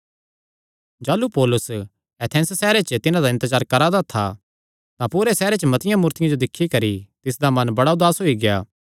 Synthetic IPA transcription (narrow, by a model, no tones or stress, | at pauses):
d͡ʒaːlupoːlʊs | ɛt̪ʰɛ̃ːnssɛːɾet͡ʃət̪ɪnãd̪aɪ̃nt̪əd͡ʒaːɾkɐɾad̪at̪ʰa | t̪ãpuːɾesɛːɾet͡ʃəmɐt̪ɪjãmuːɾt̪ɪjãd͡ʒod̪ɪkʰːikɐɾit̪ɪs̬d̪amɐnbɐɽaʊd̪aːsɦoiɡɪjaː